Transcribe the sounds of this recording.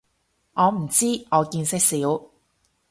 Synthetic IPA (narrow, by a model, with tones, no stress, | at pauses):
ŋɔː˨˧m̩˨˩t͡siː˥ŋɔː˨˧kiː˧nsɪ˥k̚siː˨˥w